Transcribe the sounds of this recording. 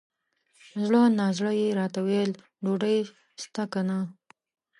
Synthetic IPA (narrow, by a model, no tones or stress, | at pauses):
zɽənɑzɽəjeɾɑt̪awel | ɖoɖaj | st̪akana